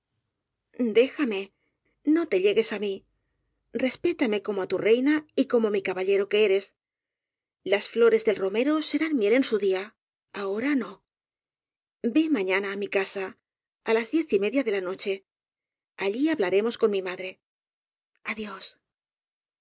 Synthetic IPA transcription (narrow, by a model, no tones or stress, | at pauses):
d̪e̞xame̞ | no̞t̪e̞ʎe̞ɣe̞sami | re̞spe̞t̪ame̞ko̞moat̪ure̞jnaiko̞mo̞mikaβaʎe̞ɾo̞keeɾe̞s | lasflo̞ɾe̞zðelro̞me̞ɾo̞se̞ɾanmje̞le̞nsuðia | ao̞ɾano̞ | be̞mãɲanaːmikasa | alazðje̞θime̞ðjaðe̞lano̞t͡ʃe̞ | aʎiaβlaɾe̞mo̞sko̞nmimaðɾe̞ | aðjo̞s